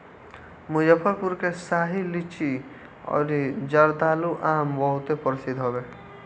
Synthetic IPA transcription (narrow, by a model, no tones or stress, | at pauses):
mũjəpʰəɾpuɾkesaːɦilit͡ʃi | ɔ̰ːɾid͡ʒəɾd̪aːluʔaːmbɔɦʊt̪epɔɾsid̪ɦobe